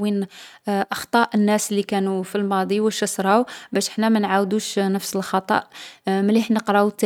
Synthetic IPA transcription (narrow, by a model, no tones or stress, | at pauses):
inʔɑxt̪ˤɑʔənːæslːikænufilmɑd̪ˤiwəʃəsɾˤɑwbæʃəħnæmænʕawd̪uʃnəfsəlxɑt̪ˤɑ̰ʔməliħnəqɾɑut̪ːæ